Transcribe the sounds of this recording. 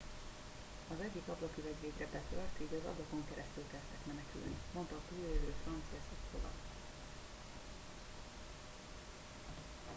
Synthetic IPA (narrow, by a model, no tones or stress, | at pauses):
ɒzɛɟːikɒblɒkilɛɟveːɡrɛbɛt̪ørt̪eːɟɒzɒ̰blɒko̞ŋkɛɾʔɛst̪ylkɛlt̪ːɛkmɛnɛky̰lnimo̞nt̪ɒːt̪uːlød̪øːfrɒnt̪sijɒsɒkso̰lɒ̰k